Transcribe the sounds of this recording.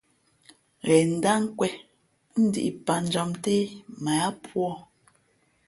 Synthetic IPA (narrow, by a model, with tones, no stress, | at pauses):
ɣɛ˨n̩˨da˦ŋ̩˦kwɛ˦ | n̩˦di˦˨ʔi˨pa˨n̩˨d͡ʒɔ˨mte˦ma˨a˦pwɔ˦˨